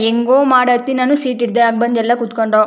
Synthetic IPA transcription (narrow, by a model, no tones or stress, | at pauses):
eŋɡoːmaːɽɐt̪ːinaːnːusiːʈiɾd̪eaːɡ̚bɐnd̪ɛlːɐkut̪koɳɖoː